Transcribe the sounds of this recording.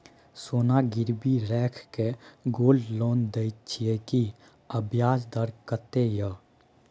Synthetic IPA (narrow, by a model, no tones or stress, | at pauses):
soːnaɡɪɾbiɾɛːkʰkeɡoːlloːnd̪əɪt͡ʃʰieki | əbʱjaːsd̪əɾkət̪ejə